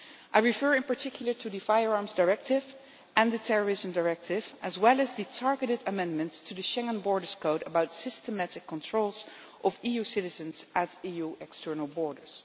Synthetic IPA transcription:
ʔajɹifɜɹɪ̃npəɹtʰɪkʰjl̩ˠə˞tʰuðɨfajəɹɑɹmzdaɹɛk̚tɪv | ʔə̃nðətʰɛɹəɹɪzə̃mdaɹɛk̚tʰɪvʔəzwɛlˠəzðɨtʰɑɹɡəɾɨdəmɛ̃ndmə̃ntstʰuðɨʃɛ̃ŋə̃nbɔɹdə˞z̥kʰoʊɾəbaʊtsɪstəmæɾɪkʰːɔ̃ntʰɹ̥oʊlˠz | ʔɔvijusɪɾɪzə̃nzʔætijuɛkstʰɜɹnəl̩ˠbɔɹdə˞z̥

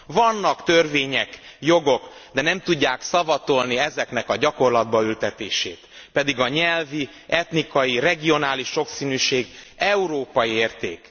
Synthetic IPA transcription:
vɒnːɒkt̪ø̞rveːɲɛkjo̞ɡo̞kd̪ɛnɛmt̪uɟːaːksɒvɒt̪o̞lniɛzɛkn̪ɛkɒɟɒko̞rlɒd̪bɒylt̪ɛt̪eːʃeːt̪pɛd̪iɡɒɲɛlvi | ɛt̪nikɒjirɛɡio̞naːliʃːo̞ksiːnyːʃeːɡɛuɾoːpɒjieːrt̪ḛːk

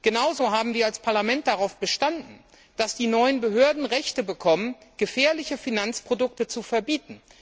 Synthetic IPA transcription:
ɡ̥ənaʊzoɦaːbm̩diːalspʰaɐlamɛnt̚d̥aʁaʊfb̥əʃtandn̩ | d̥asd̥iːnɔʏənbəɦøːɐdn̩ʁɛçtəbəkʰɔmənɡ̥əfɛːɐlɪçəfinant͡spʁ̥odʊk̚tət͡sufɛɐbiːtn̩

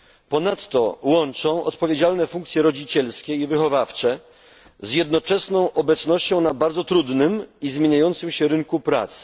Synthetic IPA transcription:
pɔnat̪ːɔ̰wɔnt͡ʂɔ̃w̃ɔ̰t̪pɔvʲjed͡ʑalnɛfuŋkt̪sʲjɛɾɔd͡ʑit͡ɕɛlskʲɛivɘxɔvaft͡ʂɛ | zjɛd̪nɔt͡ʂɛsnɔ̃w̃ʔɔbɛt̪snɔɕt͡ɕɔ̃w̃nabaɾd̪zɔt̪ɾud̪nɘmizmʲjeɲajɔn̪t̪sɘmɕɛɾɘŋkupɾa̰t̪s

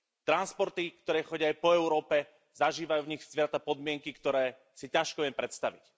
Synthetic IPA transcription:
t̪ɾanspɔɾt̪ikt̪ɔɾɛːxɔɟɪaːjpɔɛʊɾɔːpɛ | zaʒiːʋajuːvɲixsʋɾat̪apɔd̪mɪɛŋkikt̪ɔɾɛː | sicaʃkɔʋɪɛmpɾɛt̪st̪aʋḭc

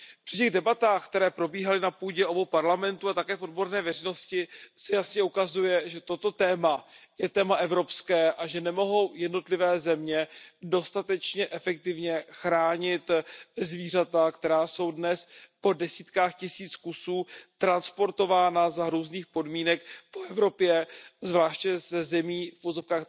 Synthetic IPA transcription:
pr̥ɪcɛɣdɛbat̪aːxk̚t̪ɛɾɛːpɾo̞biːɦalɪnapuːɟɛʔo̞bowpaɾlamɛnt̪uat̪akɛːfo̞dbo̞ɾnɛːvɛrɛjno̞scɪsɛjasɲɛukazujɛʒɛt̪o̞t̪o̞t̪ɛːmajɛt̪ɛːmaʔɛvɾo̞pskɛːʔaʒɛnɛmo̞ɦo̞wjɛdno̞t̪lɪvɛːzɛmɲɛdo̞st̪at̪ɛt͡ʃɲɛʔɛfɛk̚t̪ɪvɲɛxɾaːɲɪt̪zviːr̝at̪akt̪ɛɾaːso̞wdnɛspo̞dɛsiːt̪kaːxcɪsiːt͡skusuːt̪ɾanspo̞ɾt̪o̞vaːnazaɾuːzniːxpo̞dmiːnɛkpoɛvɾo̞pjɛzvlaːʃcɛszɛmiːfʔuvozo̞fkaːx

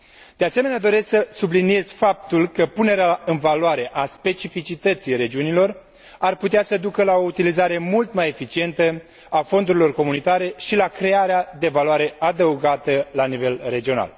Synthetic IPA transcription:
d̪̥e̞ase̞me̞nead̪o̞ɾe̞sksəsublinie̞z̥ʲfap̚t̪ulkəpune̞ɾeaɨnvaloaɾe̞ʔaspe̞t͡ʃifit͡ʃit̪ət̪siɾe̞d͡ʒiunilo̞r | arput̪easəd̪ukəlao̞ut̪ilizaɾe̞mult̪maje̞fit͡ʃie̞nt̪ə | afo̞nd̪uɾilo̞rko̞munit̪aɾe̞ʃilakɾe̞aɾead̪e̞valoaɾe̞ʔad̪əuɡat̪əlanive̞lre̞d͡ʒio̞na̰l

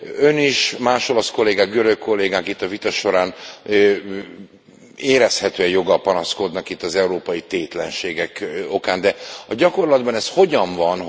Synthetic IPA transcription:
ø̞niʃmaːʃo̞lɒsko̞lːeːɡaːk̚ɡø̞ɾøkkːo̞lːeːɡaːkit̪ːɒvit̪ɒʃo̞ɾaːn | eːɾɛshɛt̪øːɛjo̞ɡɒlpɒnɒsko̞d̪nɒkit̪ːɒzɛuɾoːpɒjit̪eːt̪lɛnʃeːɡɛko̞kaːnd̪ɛɒɟɒko̞rlɒd̪bɒnɛsho̞ɟɒɱvɒn

